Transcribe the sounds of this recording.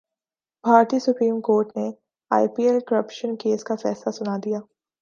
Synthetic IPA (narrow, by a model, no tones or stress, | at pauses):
bʱaːɾt̪iːsʊpɾiːmkoːɾʈne | a̰ːɪpiːelkəɾəpʃənkeːskafɛːslasʊnad̪ijaː